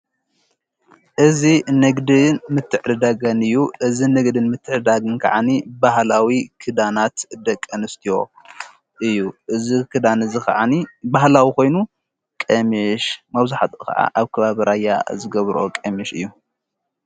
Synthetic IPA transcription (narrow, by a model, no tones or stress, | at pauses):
ʔɨzinɐɡd̪ɨnmɨt̪ʰːɨʕɾɨd̪aɡɐnɨjːuʔɨzinɐɡd̪ɨnmɨt̪ʰːɨʕɨd̪aɡɨnkʰɐʕanibahlawikʰɨd̪anat̪d̪ɐkʼːɐnɨst̪ʰijo̞ | ʔɨjːuʔɨzikʰɨd̪anɨzikʰʕanibahlawiko̞jnu | kʼemiʃmɐβzaħat̪ʼukʰɐ̰ʕʔa̰ʔaβkʰɐβaβɨɾajːa̰zɨɡɐβɾokʼemiʃɨ̰jːu